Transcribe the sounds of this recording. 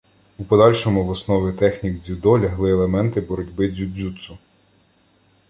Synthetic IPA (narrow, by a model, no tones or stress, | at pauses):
upɔd̪ɑlʲʃɔmʊʋɔsnɔʋʲit̪ɛxnʲiɡd͡zʲud̪ɔlʲɐɦlˠɪelˠemɛnt̪ɪbɔɾɔdʲbɪzʲud͡zʲut̪sʊ